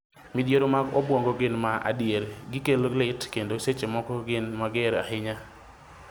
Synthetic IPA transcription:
mɪdjeɾomaɡɔbwoŋɡɔɡɪnmaʔa̰djeɾɡɪkelolɪtkendoset͡ʃemɔkɔɡɪnmaɡɪɾa̰hɪɲa

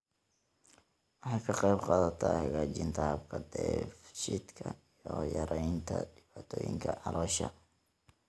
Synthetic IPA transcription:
wɑħɑjkʰɐqɑjbqɑːðɐt̪ʰahɐɣaːt͡ʃɪnt̪ʰɐhɐbkʰɐd̪ɛfʃɪd̪kʰɐijɔjɐɾɛjnt̪ʰɐɖɪbaːt̪ʰɔːjɪŋkʰɐʕɑlʔɔːʃɐ̰

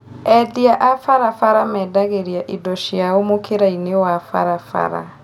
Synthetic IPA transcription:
ɛðiaʔafaɾafaɾamɛːdaɣeɾiaʔidɔʃjaomokʰeɾainewafa̰ɾafa̰ɾa̰

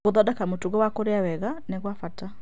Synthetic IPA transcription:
oðɔdakamotuɣɔwakoɾeawɛɣaneɣwafata

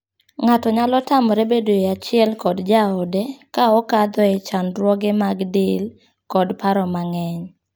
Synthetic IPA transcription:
ŋatɔɲalɔtamɔɾebedoeat͡ʃɪɛlkɔdd͡ʒaɔdekaɔkad̪ɔɛt͡ʃanɾwɔɡemaɡdɪl | kɔdpaɾɔmaŋɛɲ

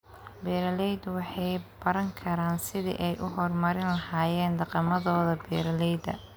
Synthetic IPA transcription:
bɛːɾɐlɛjd̪wɑħɑjb̥ɐɾɐŋkʰɐɾaːnsɪðḭʔɛjʔʊɦɔrmɐɾɪnlɐhaːjɛːnd̪ɑqɑmɐðɔːðɐbɛːɾɐlɛjd̪ɐ̰

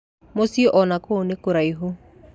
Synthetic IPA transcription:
mosioʔɔnakonekoɾaiɦo

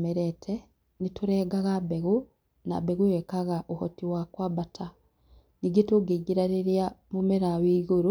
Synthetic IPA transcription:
meɾetʰe | nituɾeːɡaɣabeɣu | na̰beɣuwekaɣaʔuhotiwakwabatʰa | niɡituɡiɡiɾaɾiɾjamumeɾawiːɣuɾu

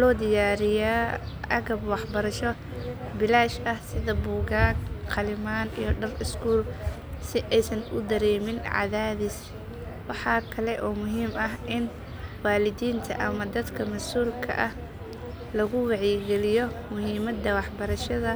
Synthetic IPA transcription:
lɔːd̪ɪjaːɾɪjaːɐɣɐbwɑħbɐɾɐʃɔ | bɪlaːʃɐhsɪðɐbuːɣaːnqʰɐlɪmaːnḭjɔɖɐrɪskʰuːl | sɪʔɛjsɐnʊd̪ɐɾɛːmɪnʕɑ̰ðaːðis | wɑħɑːkʰɐlɛʔɔːmʊɦiːmɐɦʔɪn | waːlɪðiːnt̪ʰɐ̰ʔɐmɐd̪ɐd̪kʰɐmɐsuːlkʰɐ̰ʔɐh | lɐɣʊwɑʕiɡɛlɪjɔmʊɦiːmɐd̪ɐwɑħbɐɾɐʃɐðɐ

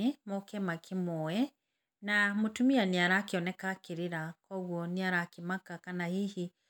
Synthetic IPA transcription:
emɔkɛmakʰimɔɛ | namotumianiaɾakeɔnɛkakiɾiɾakwɔɣwɔniaɾakimakakanahihi

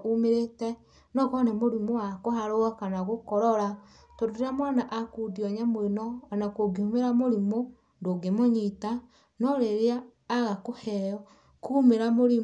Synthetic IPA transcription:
umeɾetɛ | nɔkɔnɛmoɾimoakohaɾoakanaɣokɔɾɔɾa | toɾoɾamɔnaʔakudiɔɲamoenɔːnakoɡiumeɾamoɾimo | ndoɡemoɲita | nɔɾeɾeaː | ɣakohɛjɔ | kumeɾamoɾi

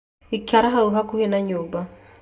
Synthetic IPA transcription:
ikʲjaɾaɦauɦakuhinaɲoba

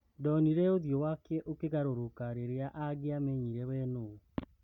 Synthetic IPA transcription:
dɔniɾɛoðjowakɛʔokeɣaɾoɾokaɾeɾeaʔaɡeameɲiɾɛwɛno

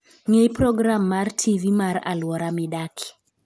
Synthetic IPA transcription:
ŋejpɾɔɡɾamːartʰivimaɾa̰lwɔɾamɪdakʰɪ̥

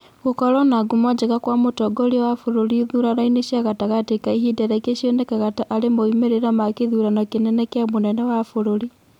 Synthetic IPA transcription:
ɣukɔɾɔnaɡumɔd͡ʒeɣakwamotɔɡoɾiwafuɾoliðuɾanaineʃiaɣataɣatekaiɦidɛɾakeʃonɛkaɣataʔalemoimeɾeɾamakeðuɾanakenɛnɛkjamonɛnɛwafoɾoɾi

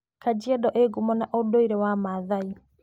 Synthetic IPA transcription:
kad͡ʒiɛdɔʔeɡumɔnaʔodoiɾewamaðai

